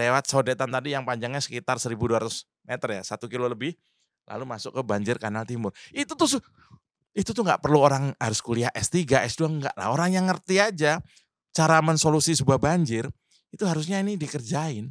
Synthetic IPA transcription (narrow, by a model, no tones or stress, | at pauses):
lewat̪̚sodet̪ant̪adijaŋpaɲd͡ʒaŋɲasə̥kit̪arsəɾibuduaɾat̪ʊs | met̪ərjasat̪ukiloləbɪh | la̰lumasʊkːəbaɲd͡ʒɪrkanalt̪imʊrit̪ut̪ʊs | it̪ut̪ʊŋɡa̰ʔpərluoɾaŋɦaɾʊskuliaʔɛst̪iɡaʔɛsduaŋɡa̰ʔla̰hoɾaŋjaŋːərt̪iad͡ʒa | t͡ʃaɾamənsolusisəbuahbaɲd͡ʒɪr | it̪uɦaɾus̬ɲainidikərd͡ʒaɪn